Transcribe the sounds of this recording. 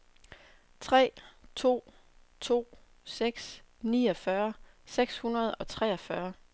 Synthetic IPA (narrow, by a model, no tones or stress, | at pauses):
t͡sʰʁɛ̰ːt͡sʰo̝̰ː | t͡sʰo̝̰ː | seɡ̥s | niːɒ̽fɶɐseɡ̥shunɐð̞̩ˠɒ̽t͡sʰʁɛːɒfɶːɐ